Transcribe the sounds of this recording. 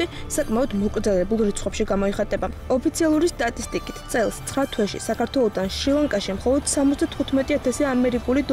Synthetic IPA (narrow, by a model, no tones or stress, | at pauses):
t̪ʼisakʼmaɔd̪mɔkʼɾd̪zalɛbulˠɾit̪sʰχʼwɛpʃiɡamɔiχat̪ʼɛbaɔpʰit̪sʰialˠuɾist̪ʼat̪ʼist̪ʼikʼit̪ʰt̪sʼɛlˠst̪sʰχɾat̪ʰwɛʃḭsakʰaɾt̪ʰwɛlˠɔd̪anʃilˠaŋkʼaʃimχɔlˠɔd̪̥samɔt̪ʰd̪at̪ʰχut̪ʰmɛt̪ʼiat̪ʰasiaːmɛɾikʼulid̪